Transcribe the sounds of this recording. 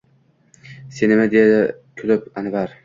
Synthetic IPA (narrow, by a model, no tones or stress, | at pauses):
senɪmad̪ejad̪ɪkʲʰʊlɪpanvaɾ